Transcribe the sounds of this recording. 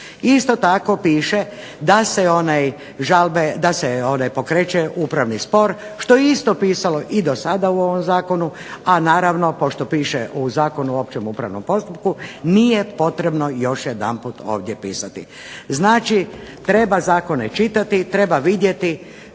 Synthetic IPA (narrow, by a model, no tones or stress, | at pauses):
ist̪o̞t̪ako̞piːʃe | d̪aseonaj | ʒalˠbed̪aseonajpo̞kɾet͡ʃeʔupɾaʋnispo̞ɾ | ʃt̪o̞jeist̪o̞piːsalo̞ʔid̪o̞sad̪auo̞ʋo̞mzaːko̞nu | anaːɾaʋno̞po̞ʃt̪o̞piːʃḛʔuzaːko̞nuo̞pt͡ʃemupɾa̰ʋnompo̞st̪up̚kunijepo̞t̪ɾe̞bno̞jo̞ʃjed̪a̰npuːt̪o̰ːʋd̪jepḭːsat̪ḭ | znaːt͡ʃit̪ɾe̞bazaːko̞net͡ʃit̪at̪it̪ɾe̞baʋid̪je̞t̪i